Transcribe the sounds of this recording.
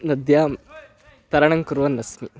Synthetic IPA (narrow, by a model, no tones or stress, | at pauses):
nɐd̪jaːm | t̪ɐɾɐɳɐŋkuɾʋɐnːɐsmi